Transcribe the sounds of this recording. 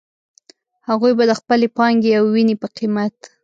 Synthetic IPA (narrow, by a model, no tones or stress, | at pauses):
haɣujbad̪əxpəlepɑŋɡeawwinepəqimat̪